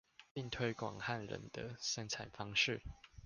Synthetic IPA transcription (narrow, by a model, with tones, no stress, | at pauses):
pi˥˨ŋt̪ʰwe˥ɪkwɑ̰˨˩ŋha˥˨nɻə̰˧˦nd̪̥ə˦ʂə˦ŋt͡sʰa˨˩nfɑ˦ŋʂɻ̩˥˨